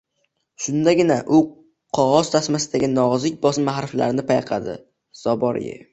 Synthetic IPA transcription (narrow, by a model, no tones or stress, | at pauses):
ʃʊnd̪aɡʲɪnaʔʊ | qʰɒʁɒz̥t̪ʰasmasɪd̪aɡʲɪnɒzɪk̚ʲbɒsɪmmːahɾɪfla̰ɾɪnɪpʰajqʰɑd̪ɪ̰ | z̥ɒbɒɾ̰jɪ̰